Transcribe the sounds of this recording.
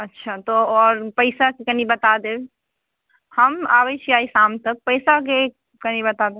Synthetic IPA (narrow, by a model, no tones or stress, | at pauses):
ətːʃʰat̪oɔːɾpəɪsakekənibət̪ad̪e | həma̰bɛt͡ʃʰiaːisaːmt̪ək̚pəɪsak̬e | kənibət̪ad̪e